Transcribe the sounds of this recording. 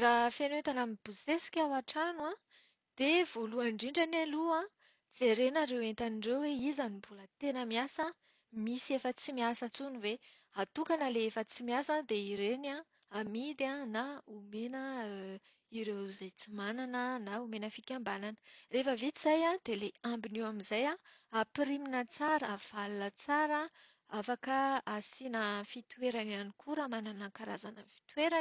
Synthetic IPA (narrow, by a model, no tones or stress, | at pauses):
rafenet̪anamib̥uzt̪esi̥kʲawaʈ͡ʂanwa | d̪̥ev̥oluaɳɖ͡ʐiɳɖ͡ʐanaluã | d͡zeɾenaɾewent̪aniɳɖ͡ʐewweizanibulət̪enəmiasə | misiefət͡simiasət͡sunive | at̪ukanəleefət͡simiasad̪eiɾena | amid̪anaumenə | iɾewzajt͡simananənaumenəfikʲambananərefəvit͡s̪iz̥ajãd̪̥eleambinewamizajãapiɾiminət͡saɾəav̥alnət͡saɾa | afakəasinəfit̪weɾanianikʰuɾamananəkaɾazanəfi̥t̪weɾa